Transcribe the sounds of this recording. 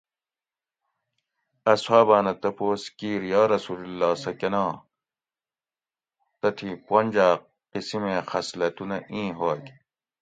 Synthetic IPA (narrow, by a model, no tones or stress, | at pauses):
ɐswaːbaːnɐt̪ɐpoːskiːɾjaːɾɐsuːlulːaːsɐkɐnãː | t̪ɐt̪ʰipwonʲd͡ʑaː | qisimẽxɐslɐt̪unɐʔĩːɦoːki